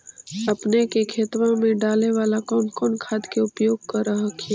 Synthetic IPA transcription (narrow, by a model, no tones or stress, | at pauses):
ɐpnekekʰeːt̪wãmẽɖaːleʋaːlakɔːnkɔːnkʰaːd̪keʊpjoːɡ̚kɐɾəɦkʰe